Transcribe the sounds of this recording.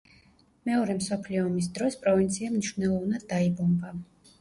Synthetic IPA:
mɛɔɾɛmsɔpʰliɔːmis̬d̪ɾɔspʼɾɔvint̪sʰiamniʃvnɛlˠɔvnad̪ːaibɔmba

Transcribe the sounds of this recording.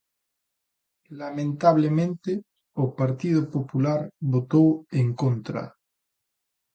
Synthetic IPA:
lamẽnt̪aβ̞lemẽnt̪e | opaɾt̪ið̞opopulaɾβot̪oweŋkont̪ɾa̰

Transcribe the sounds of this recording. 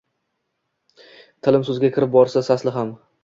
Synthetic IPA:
t̪ʰɪlɪmsɵzɡʲakʲʰɪɾɪp̚bɒɾsasaslɪɦam

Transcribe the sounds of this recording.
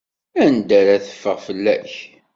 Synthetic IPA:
ænd̪æɾæθə̥fːəʁfəlːæ̰ç

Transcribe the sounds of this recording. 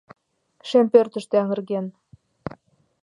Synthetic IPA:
ʃempørt̪ə̆ʃt̪eɑŋə̆rɣen

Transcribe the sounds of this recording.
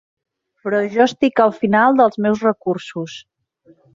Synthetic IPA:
pɾɔʒɔst̪ikəlˠfinalˠd̪əlˠzmɛwzrəkursus

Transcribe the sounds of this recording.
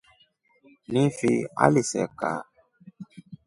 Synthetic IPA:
nĩfia̰lisɛ̰ka̰

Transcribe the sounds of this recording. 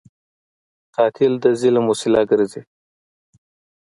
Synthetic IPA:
qɑːt̪ʰɪld̪əzilamusɪlɑɡəɾzi

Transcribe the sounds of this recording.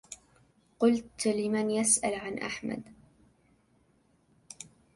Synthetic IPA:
qʊlt̪lɪmanjasʔalʕanʔa̰ħma̰d̪

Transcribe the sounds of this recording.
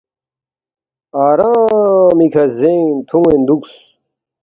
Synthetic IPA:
aːɾãmikʰɐzẽnt̪ʰuŋend̪uks

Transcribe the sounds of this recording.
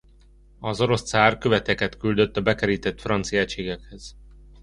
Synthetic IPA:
ɒzo̞ɾo̞st̪saːrkøvɛt̪ɛkɛt̪kyld̪øt̪ːɒbɛkɛɾiːt̪ɛt̪frɒnt̪sijat͡ʃeːɡɛkhɛz̥

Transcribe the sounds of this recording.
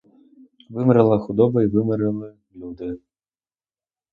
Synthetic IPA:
vɨmɾɨlˠɐxud̪ɔbɐivɨmɨɾɨlˠɨ | lʲud̪ɨ

